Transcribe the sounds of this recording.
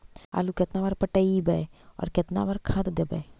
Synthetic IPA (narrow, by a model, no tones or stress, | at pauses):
a̰ːluket̪nabaɾpəʈəibɛɔ̰ːɾket̪na̰bəɾkʰãd̪d̪ebɛ̰